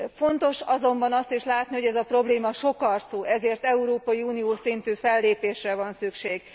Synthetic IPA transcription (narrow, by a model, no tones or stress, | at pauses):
fo̞nt̪o̞ʃɒzo̞mbɒnɒst̪iʃlaːt̪niɦo̞ɟɛzɒpro̞bleːmɒʃo̞kɒrt̪soːʔɛzeːrt̪ɛuɾoːpɒjiuːnioːʃsint̪yːfɛlːeːpeːʃrɛvɒnsykʃeːɡ̥